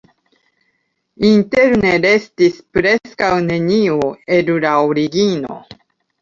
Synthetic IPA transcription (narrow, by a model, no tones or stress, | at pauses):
inte̞ɾneɾe̞stispɾe̞skawne̞nioe̞luɾaoɾiɡino̞̰